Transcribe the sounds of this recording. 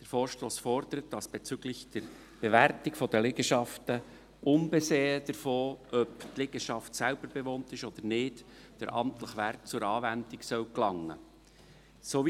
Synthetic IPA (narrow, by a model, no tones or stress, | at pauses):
d̥əɾfoːɾʃtoːsfɔɾdəɾət̚d̥ɑsb̥ɛt͡syɡlɪçd̥əɾ | b̥evæɾtɪkfɔdəleɡəʃɑftə | ʊnbɛseːəd̥əɾfoːʔœptlɪɡ̥əʃɑftsælb̥əɾbeʋoːntɪʃɔd̪̥əɾnɪd | d̥əɾʔɑ̰mt̪ləχʋæɾkt͡sʊɾɑːʋændɪksœwklɑŋːə̰ | soːʋi